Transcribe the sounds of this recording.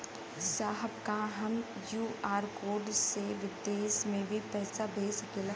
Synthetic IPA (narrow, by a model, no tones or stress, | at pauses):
saːɦəbkaɦɐm | juːaːɾkoːɾɖseʋɪd̪eːsmẽbʱipɛːsabʱeːskelɐ